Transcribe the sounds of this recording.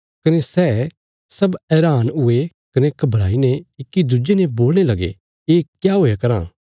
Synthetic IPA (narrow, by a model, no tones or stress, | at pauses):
kɐnesɛː | sɐbɛːɾaːnʊe | kɐnekɐbʱɾaːineɪkːid̪ʊd͡ʒeneboːlñelɐɡḛ | eːkjaːɦoːjekɐɾã̰ː